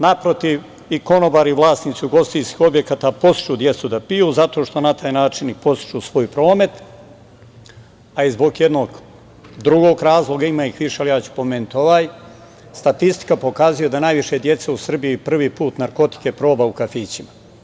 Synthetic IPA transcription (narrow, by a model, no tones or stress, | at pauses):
napɾot̪iʋ | iko̞nobaːɾiʋlˠaːsnit̪siuɡo̞st̪ijskixo̞bjekaːt̪aːpo̞si̥t͡ʃud̪je̞t̪sud̪apijuːzat̪o̞ʃt̪o̞nat̪ʰaːjnaːt͡ʃinipo̞st̪i̥t͡ʃusʋo̞ːjpɾo̞ːme̞t̪ | aizbo̞ɡjed̪no̞ːɡ | d̪ɾuɡo̞ːɡɾaːzlˠo̞ɡaimaːixʋiʃealijaːt͡ɕu̥po̞me̞ːnut̪o̞ʋaːj | st̪at̪ist̪i̥kapo̞kazuje̞d̪anajʋiʃed̪je̞t̪seusr̩bijipr̩ʋiːpuːt̪naɾko̞t̪i̥ke̞pɾo̞ːbaukafiːt͡ɕima